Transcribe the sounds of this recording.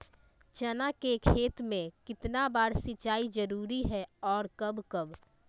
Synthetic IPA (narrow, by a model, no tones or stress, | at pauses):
t͡ʃənakekʰeːt̪mẽkɪt̪nabaːɾsɪtːt͡ʃaːid͡ʒəɾuːɾiɦɛɔːɾkəbkəb